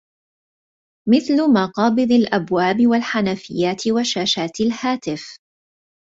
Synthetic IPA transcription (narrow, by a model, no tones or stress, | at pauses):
mɪθlʊmɑqɑːbɨðˤɪlʔabwaːbɪwalħanafɪ̰jːaːt̪ɪwaʃaːʃaːt̪ɪlhaːt̪ɪf